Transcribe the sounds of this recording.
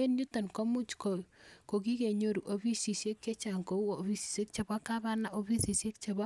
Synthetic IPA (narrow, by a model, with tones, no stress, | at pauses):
e˦nɲu˦to˨nko˦mu˦t͡ʃkoko˨ki˦ke˨ɲo˦ɾu˨ʔo˨bi˦si˨sje˦kːe˦t͡ʃa˨ŋko˨u˦o˨βi˦si̥˨se˦k̚t͡ʃe˨ba˦ka˦ba˦na˨ʔo˦bi˦si˨sje˦k̚t͡ʃe˨ba˦